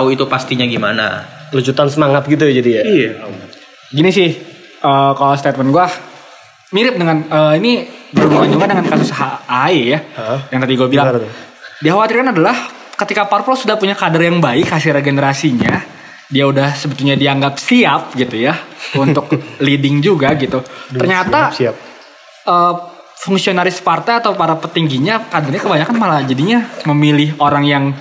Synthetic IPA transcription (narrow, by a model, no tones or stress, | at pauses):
t̪auit̪upast̪iɲaɡimana̰ləd͡ʒut̪ansəmaŋat̪̚ɡit̪ujad͡ʒadiaja | ɡinisɪh | ʔəːkalast̪ɛt̪̚mənɡua | miɾɪp̚dəŋanəinibəɾuməmaɲd͡ʒuŋkandəŋankasushaaɦaijajaŋt̪adiɡuabilaŋ | diaɦawat̪irkanadalah | kət̪ikaparfɔlsudahpuɲakadərjaŋbaɪkhasɪhreɡenəɾasiɲa | diaudahsəbət̪ulɲadiaŋɡap̚siap̚ɡit̪ujaunt̪ʊklidɪŋd͡ʒuɡaɡit̪ut̪ərɲatt̪a | ʔəː | fuŋsionaɾɪspart̪ajat̪awpaɾapət̪iŋɡiɲakadərɲakəbaɲakanmalad͡ʒadiɲaməmilɪɦoɾaŋjaŋ